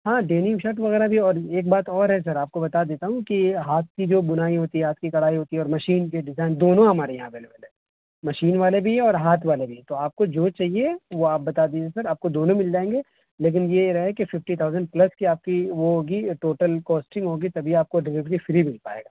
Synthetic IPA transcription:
ɦãːɖeːnɪ̃ŋʃɐʈʋɐɣɛːɾabʱiɔːɾeːk̚baːt̪ɔːɾɦɛs̬ɐɾaːp̚kobɐt̪ad̪eːt̪aɦũkiɦaːt̪̚kid͡ʒoːbʊnaːiɦoːt̪iɦɛɦaːt̪̚kikɐɽ̤aːiɦoːt̪iɦɛɔːɾmɐʃiːnkeɖɪzaːɪnd̪oːnõɦɐmaːɾejɐɦãbeːleʋɐlɦɛ | mɐʃiːnʋaːlebʱiɦɛɔːɾɦaːt̪ʰʋaːlebʱiɦɛ̃t̪oaːp̚kod͡ʒoːt͡ʃaːɦieʋoaːp̚bɐt̪aːd̪iːd͡ʒesɐɾaːp̚kod̪oːnõmɪld͡ʒaːẽːŋɡe | leːk̬ɪnjeɾɐɦekefɪfʈit̪ʰaːʊzə̃ɳɖplɐskiaːp̚kiʋoɦoːɡiʈoːʈəlkɔːsʈɪ̃ŋɡɦoːɡit̪ɐbʱiaːp̚koɖɪɾɪʋʈifɪɾibɪlpaːḛːɡaː

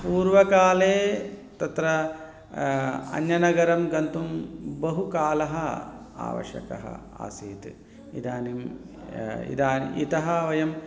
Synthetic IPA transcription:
puːɾʋɐkaːleːt̪ɐt̪ɾɐ | ɐ̰njɐnɐɡɐɾɐmɡɐnt̪umbɐɦukaːlɐɦɐ | a̰ːʋɐ̰ʃɐ̰kɐ̰ɦɐ̰ | a̰ːsiːt̪ | ḭd̪aːnim | ḭd̪aːn̰ḭt̪ɐɦɐʋɐjɐm

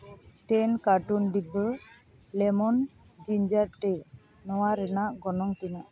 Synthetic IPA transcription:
ʈɛnkaʈunɖibə | lɛmɔn | d͡ʒiɲd͡ʒaɾʈɛ | nɔwaɾɛnaʔɡɔnɔŋt̪ina

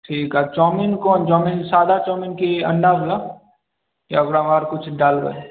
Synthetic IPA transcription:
ʈʰiːkɦat͡ʃɔːminkɔːnt͡ʃɔːminsaːd̪ʱat͡ʃɔːminkeɐ̰̃ɳɖabʱʊla | jaɐɡɽamaːɾkʊt͡ʃʰɖaːlɡə̰

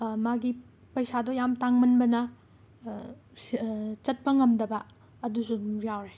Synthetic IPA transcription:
maɡi | pɐjsadɔjamtaŋmɐnbɐnɐ | t͡ʃɐt̚pɐŋɐmdɐbɐː | dusujawɾe

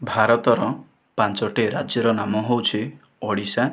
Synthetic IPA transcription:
bʱaɾɔt̪ɔɾɔ | pãnt͡ʃɔʈeɾad͡ʒjɔɾɔnamɔɦowt͡ʃʰe | ɔɽisa

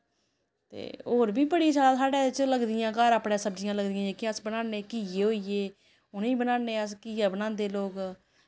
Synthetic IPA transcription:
t̪ḛːoːɾbiːbəɽiːt͡ʃaːasaːɖeːt͡ʃələɡd̪ɪjãːkaːɾaːpɽẽːsəbd͡ʒɪjãːləɡd̪ɪjãːẽːkɪəsbənãːneːkiːjeːɦoːieː | ʊnĩːbənãːneːəskiːjaːbənãːnd̪eːloːk

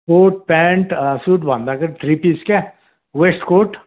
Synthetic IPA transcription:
koːʈ̚pɛ̃ːɳʈsuːʈbãːnd̪akɐɾʈɾiːpiːska | ʋeːsʈkoːʈ

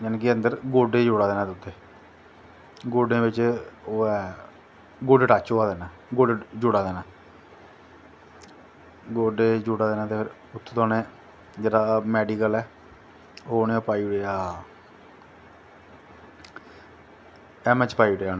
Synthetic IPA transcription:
d͡ʒənːkiənd̪əɾɡoːɖeːd͡ʒoːɽaːd̪eːnaːt̪ːʊt̪ʰːeː | ɡoːɖẽːʋɪt͡ʃoːɛː | ɡoːɖeʈaːt͡ʃoːaːd̪eːnaː | ɡoːɖed͡ʒʊɽaːd̪eːnaː | ɡoːɖeːd͡ʒoːɽaːd̪eːnãːt̪eːpʰɪɾ | ʊt̪ʰːt̪oːneː | d͡ʒeːɽaːmɛːɖiːkəlɛː | oːnẽːoːpaːiːɽeːaː | ɛːmɛt͡ʃpaːiːʈeːaːnː

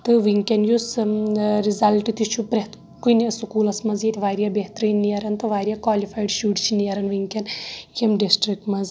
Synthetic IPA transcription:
t̪ɨʋiŋkʲɐnjus | ɾizɐlʈit̪it͡ʃʰupɾet̪ | kunsukuːlɐsmɐzjet̪ʰʲʋaːɾjabeɦt̪ɾinːijɐɾɐnt̪ɨʋaːɾʲijakʋaːlifaːjɖʃuːʈt͡ʃʰinijɐɾɐnʋiŋkʲɐnjemɖisʈɾik̚ʈmɐz

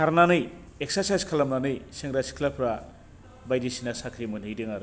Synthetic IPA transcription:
kʰaɾnanɯj | eksaɾsajskʰalamnanɯjseŋɡɾasi̥kʰlapʰɾa | bajdisinasakʰɾimunɯjdɯŋaɾɯ

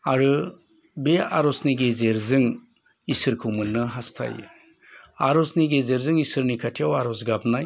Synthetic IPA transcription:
aɾɯ | beaɾɔsniɡezeɾzɯŋ | isɯɾkʰumɯnːɯɦastʰa̰j̰ | aɾɔsniɡezeɾzɯŋisɯɾnikʰatʰijawaɾɔsɡap̚naj

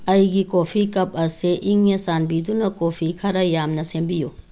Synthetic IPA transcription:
ɐjɡikopʰikɐp̚ɐseʔiŋesanbidunɐkopʰikʰɐɾɐjamnɐsembiju

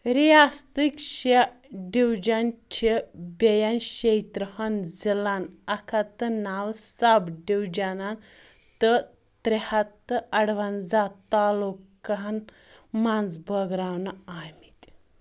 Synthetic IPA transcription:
ɾijast̪ikɕe | ɖiwd͡ʒant͡ʃʰebejanɕejt̪ɾəhɐnd͡zilanɐkʰat̪ənawsabɖiwd͡ʒanan | t̪ə | t̪ɾehat̪ːəɐɽʋand͡zat̪ːalukan | mand͡zbəɡɾawnaamit̪ʲ

